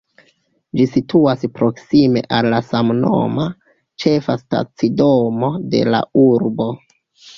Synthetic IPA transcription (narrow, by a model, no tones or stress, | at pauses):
d͡ʒisitʰuaspɾo̞ksime̞̰ʔalːasamno̰ma | t͡ʃe̞fasta̰t͡sidomo̞de̞̰la̰uɾbo̞